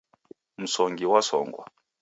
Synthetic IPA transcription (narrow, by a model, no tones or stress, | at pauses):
m̩sɔŋɡiwasɔ̰ːŋɡwa̰